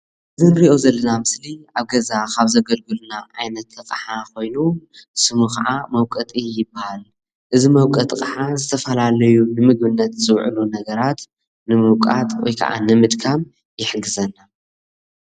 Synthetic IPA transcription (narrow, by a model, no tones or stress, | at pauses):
ʔɨzɨnɾiʔo̞zɐlːɐnamɨsliaβɡɐzakʰaβzɐɡɐlɡɨlnaʔajnɐt̪ʰːɨkʼħako̞jnusɨmukaʕamɐwkʼɐt̪ʼijɪbːahal | ʔɨzimɐwkʼɐt̪ʼːɨqʼħazɨt̪ʰɐfɐlalɐjunɨmɨɡmɨnːɐt̪zɨwʕɨ̰lunɐɡɐɾat̪ | nɨmɨwkʼa̰t̪ʼwɔ̰jkʰa̰ʔa̰nɨmɨd̪kʰam | jɪħɡɨzɐnːa